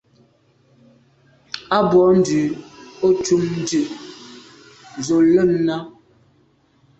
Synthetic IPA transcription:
a˦bɔ˨˦n̩˦dʉ˨o˦t͡ʃu˦mn̩˦dʉ˨ʔ | zo˨lə˦˨mna˦

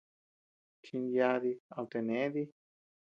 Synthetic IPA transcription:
t͡ʃi˧nd̪ja˧ði˧a˧lt̪e˧nẽ˨˦ði˦

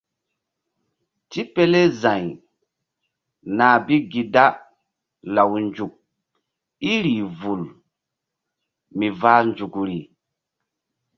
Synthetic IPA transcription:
ti˦pe˦le˦za˨j | na˨bi˦ɡi˨da˦ | la˨wnd͡ʒu˨k̚ | i˦ɾi˨vu˨l | mi˨va˦nd͡ʒu˨kɾi˨

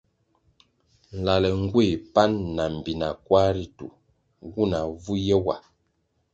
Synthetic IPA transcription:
n̩˨la˨lɛ˨ŋ˦ɡwe˦˨pa˦nːa˨m̩˨bi˨na˨kwa˦ɾi˦tṵ˨ | ɡu˦˨na˨vu˦jɛ˦wa˨

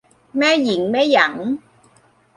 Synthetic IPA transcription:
mɛː˦˥ji˨˩˦ŋmɛː˦˥jɐ˨˩˦ŋ

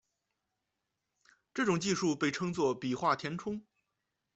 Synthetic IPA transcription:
ʈ͡ʂɤ˥˩ʈ͡ʂʊ˨˩ŋt͡ɕi˥˧ʂu˥˧pe˥˩ɪʈ͡ʂʰɤ˥ŋt͡swɔ˥˩pi˨˩xwa˥˩t̪ʰjɛ˧˥nʈ͡ʂʰʊ˥ŋ

